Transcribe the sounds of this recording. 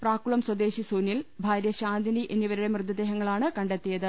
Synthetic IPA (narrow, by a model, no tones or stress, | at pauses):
praːkuɭɐmswɐd̪e̞ːɕisuːnilbʱaːɾjɐɕaːnd̪ʱiniʔenːiʋɐɾuɽe̞mrɨd̪ːɐd̪eːɦɐŋːɐɭaːɳɨkɐɳɖet̪ːijɐðɨ